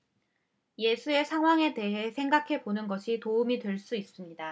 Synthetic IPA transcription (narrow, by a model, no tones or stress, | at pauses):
je̞sʰue̞sʰaŋɦwaŋe̞te̞ɦe̞sʰe̞ŋɡakʰe̞bonɯnɡʌɕʰitoumitweɭs͈uis͈ɯmɲida